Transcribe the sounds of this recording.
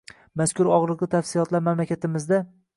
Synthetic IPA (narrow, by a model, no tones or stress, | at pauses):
maskʲʰʊɾɒʁɾlɨqlˠɪt̪ʰafsɪlˠɒt̪laɾmamlakʲat̪ɪmɪzd̪a